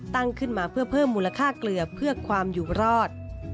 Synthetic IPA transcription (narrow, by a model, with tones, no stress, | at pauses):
t̪a˥˩ŋkʰɯ˥˩nmaː˧pʰɯ˥˩ɐpʰɤː˥˩mːuː˧la˧kʰaː˥˩klɯ˨˩ɐpʰɯ˥˩ɐkʰwaː˧mjuː˨˩ɾɔː˥˩t̪̚